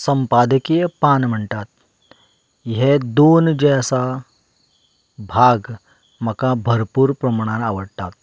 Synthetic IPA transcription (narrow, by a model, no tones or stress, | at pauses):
səmpad̪əkijəpanm̤əɳt̪at̪̚ | ɦed̪ond͡ʑeəsa | bʱaɡ | məkabʱəɾpuːɾpɾəmɳ̃ãnaʋəɽt̪at̪̚